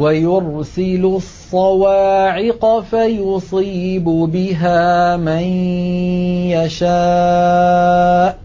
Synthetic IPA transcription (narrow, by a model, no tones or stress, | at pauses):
wajʊɾsɪlʊsˤːɑwaːʕɪqɑfajʊsˤiːbʊbɪɦaːman | jaʃaː | ʔ